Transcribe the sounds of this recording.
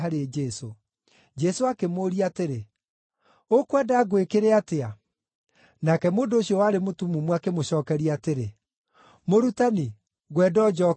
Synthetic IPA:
aɾed͡ʒɛso | d͡ʒɛsoakemoːɾiateɾe | okwɛdaːɣwekeɾeatea | nakɛmoːndoːɕjɔwaːɾemotumumwakemoɕɔːkɛɾiateɾe | moɾutani | ɣwɛdɔd͡ʒɔ

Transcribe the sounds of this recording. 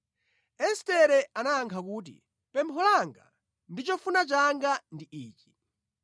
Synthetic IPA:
ɛstɛɾɛanaːŋkʰakuːt̬ḭ | pɛmpʰɔlaŋɡa̰ | ndit͡ʃɔfunat͡ʃaŋɡandiʔiːt͡ʃi̥

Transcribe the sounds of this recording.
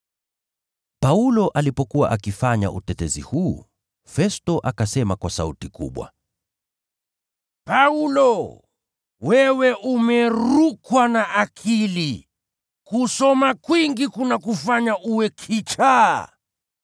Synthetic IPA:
paulɔʔalipɔkuwa̰ʔakifaɲa̰ʔṵtɛtɛzihu | fɛstɔʔakasɛmakwasautikṵɓwa̰ | paulɔ | wɛwɛʔumɛɾukwanaʔakʰili | kusɔmakwiŋɡikunakufaɲaʔuwɛkʰit͡ʃa

